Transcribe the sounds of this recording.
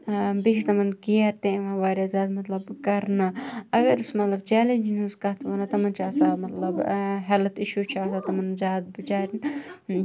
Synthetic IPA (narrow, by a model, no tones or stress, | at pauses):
bit͡ʃʰt̪ɐmɐnkiɐɾt̪eʋãːʋaːɾʲjaːzaːd̪mɐt̪lɐbkɐɾnaɐɡɐɾɨsmɐt̪lɐbt͡ʃɛːlẽnd͡ʒinɐnskɐɦt̪ʰʋɐnat̪ɐmɐnt͡ʃʰaːsaːmɐt̪lɐbɦɐlɐt̪iʃut͡ʃʰaːt̪at̪ɐmɐnzaːd̪̚bɨd͡ʒaːɾʲin